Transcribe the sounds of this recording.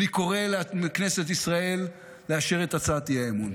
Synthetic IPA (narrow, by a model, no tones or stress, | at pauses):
iko̞ʁelamkne̞set̪isʁae̞lː | eaʃeʁet̪at͡sat̪ihaemun